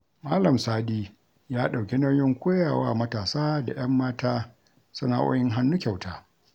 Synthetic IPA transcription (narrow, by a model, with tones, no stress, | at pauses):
maː˦lɐ˨msaː˦ɗiː˦ | jaː˦ɗa˨wkʲe˦nɐ˦wjɪ˦ŋkʷoː˦jaː˨wa̰ː˦mɐ˦taː˨saː˦da̰˨j̰ɐ˦mːaː˦tʰaː˦ | sɐ˦na̰˦˨ʔo̰ː˦jɪ˦ŋɦa˦nːu˦kʲa˨wta̰ː˨